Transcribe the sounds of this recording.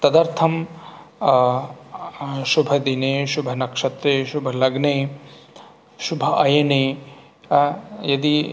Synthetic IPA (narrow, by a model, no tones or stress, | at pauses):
t̪ɐd̪ɐɾt̪ʰɐm | ʃubʱɐd̪ineːʃubʱɐnɐkʂɐt̪ɾeːʃubʱɐlɐɡneː | ʃubʱɐɐjɐne | jɐd̪i